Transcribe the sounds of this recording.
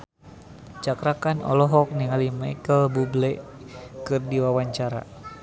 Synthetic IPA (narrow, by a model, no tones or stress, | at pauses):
t͡ʃakɾakanɔ̰lɔɦɔk̚niŋalimaikəlbublɛkɨrdiwawaɲt͡ʃaɾa̰